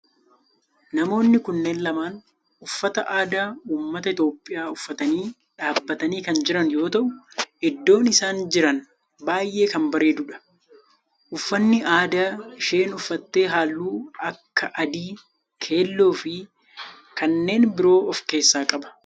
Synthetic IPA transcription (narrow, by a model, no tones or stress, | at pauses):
nɐmo̞ːnːɪkʊnːe̞ːnlɐmaːn | ʊfːɐt̪ɐʔaːd̪aːuːmːɐt̪ɐɪt̪jo̞ːpʼːɪjaːʊfːɐt̪ɐniː | ᶑaːbːɐt̪ɐniːkɐnd͡ʒɪɾɐnjo̞ːt̪ɐʔʊɛd̪ːo̞ːnɪsaːnd͡ʒɪɾɐn | baːjʔe̞ːkɐmbɐɾe̞ːd̪ʊᶑɐ̥ | ʔʊfːɐnːɪʔaːd̪aːʃe̞ːnʊfːɐt̪ːe̞ːɦaːlːuːɐkːɐʔɐd̪iː | kʰe̞ːlːoːfɪ | kɐnːe̞ːnbɪɾo̞ːʔɔfke̞ːsːaːkʼɐbɐ̥